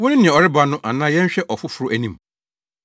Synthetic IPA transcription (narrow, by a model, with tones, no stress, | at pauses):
wʊ̃˦nɪ̃˦nɪ̃˨ɛ̃˨ɔ˨ɾɪ˦ba˨nʊ̃˦ʔa˨nãː˦jɛ̃˦ɲ˦ɕᶣɛ˦ʔɔ˨fʊ˦fʊ˦ɾʊ˦ʔæ˨nĩ˦m